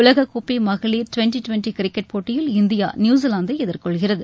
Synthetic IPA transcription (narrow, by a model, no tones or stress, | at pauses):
ʊɭlɐɣɐkːupːimɐɣɐɭiːɾʈʊʋɛɳʈiʈʊʋɛɳʈikɪɾɪkːɛʈ̚poːʈːɪjɪlɪnd̪ɪja̰ːnjuːs̬ilaːnd̪ɐɪɛðɪɾkɔɭɣɪrɐðɯ